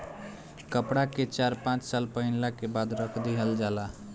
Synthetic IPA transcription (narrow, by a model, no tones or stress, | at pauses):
kəpɽaket͡ʃaɾpãt͡ʃsalpəɦinlakebad̪ɾəkʰd̪iɦəld͡ʒala